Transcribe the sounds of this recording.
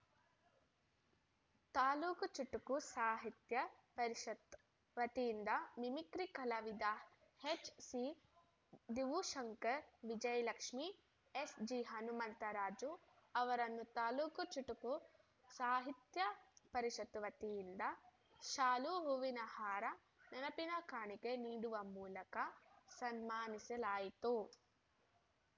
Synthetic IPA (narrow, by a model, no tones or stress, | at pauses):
t̪aːluːkɐt͡ʃuʈːukusaːɦit̪jɐpɐɾiʃɐt̪ | ʋɐt̪iind̪ɐmimikɾikɐlɐʋid̪aː | heːt͡ʃsi | d̪iʋuʃɐŋkɐɾʋid͡ʒɐjɐlɐkʂmi | esd͡ʒiɦɐnumɐnt̪ɐɾaːd͡ʒu | ɐʋɐɾɐnːut̪aːlukut͡ʃuʈuku | saːɦit̪jɐpɐɾiʃɐt̪uʋɐt̪ijind̪ɐ | ʃaːluɦuʋinɐhaːɾɐ | nɐnɐpinakaːɳikeniːɽuʋɐmuːlɐkɐsɐnmaːnisɐlaːjit̪u